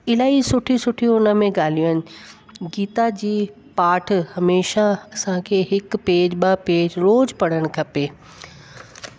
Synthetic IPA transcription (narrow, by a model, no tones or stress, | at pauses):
ɪlaːisʊʈʰisʊʈʰijũʊnəmẽɡaːliənɪ̆ | ɡiːt̪ad͡ʑiː | paːʈ̆ʰhɐmeːʃaɐsãkʰeːɦɪkpeːd͡ʑɓapeːd͡ʑɾoːd͡ʑpɐɽ̤̃əɽ̃̆kʰɐpeː